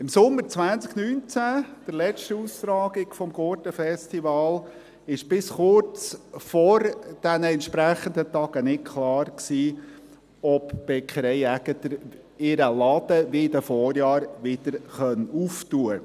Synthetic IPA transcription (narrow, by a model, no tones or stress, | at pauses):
ɪmsʊmːəɾt͡sʋænt͡sknyːnt͡sæd̪̥əɾlɛʃtuːst̪ɾɑːɡɪɡ̥fɔmɡɔɾtəfɛstivɑːl | ɪʃb̥ɪsχʊɾt͡sfɔɾd̥ænəɛnt̪ʃpɾæχənd̪ət̪ɑɡ̥ənɪtkʰlɑːrksiː | ɔpb̥ɛkχəɾɛɪæɡ̥ət̪əɾ | ɪɾəlɑd̪̥əʋɪd̪əfɔːɾjɑːɾʋɪd̥̪əɾχœnuftuːə